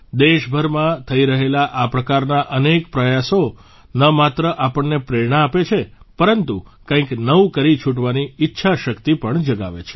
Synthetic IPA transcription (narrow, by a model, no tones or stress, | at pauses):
d̪eʃbʱəɾmãt̪ʰəiɾəɦelaʔapɾəkaɾnaʔənekpɾəjaso | nəmat̪ɾəʔapəɳːepɾeɾɳaːpet͡ʃʰepəɾənt̪ukə̃ĩknəũkəɾit͡ʃʰuʈʋaniɪtːʃʰaʃəkt̪ipəɳd͡ʒəɡa̰ʋḛt͡ʃʰe̥